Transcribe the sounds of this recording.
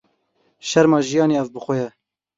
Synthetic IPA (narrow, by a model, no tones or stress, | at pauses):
ʃɛɾmɑːʒijɑːneːɛvbɨxʷɛjɛ